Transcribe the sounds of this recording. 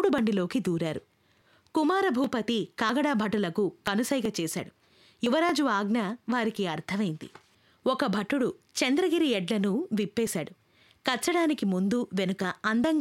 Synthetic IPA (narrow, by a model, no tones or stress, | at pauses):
ɽubɐɳɖilo̞ːkid̪uːɾaːɾu | kumaːɾɐbʱuːpɐt̪ikaːɡɐɽaːbʱɐʈːulɐkukɐnusɐjɡɐːt͡ʃɛːsa̰ːɽu | juʋɐɾaːd͡ʒuʋaːɡnɐʋaːɾikiɐɾt̪ʰɐmɐjind̪ḭ | ɔkɐbʱɐʈːuɽut͡ʃɐnd̪ɾɐɡiɾiɛɖlɐnuʋipːɛːsaːɽu | kɐt͡ʃːɐɽaːnikimund̪uʋe̞nukɐɐnd̪ɐŋɡ